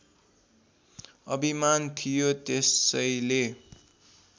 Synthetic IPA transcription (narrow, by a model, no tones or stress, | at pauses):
ʌbimant̪ʰijot̪esʌjle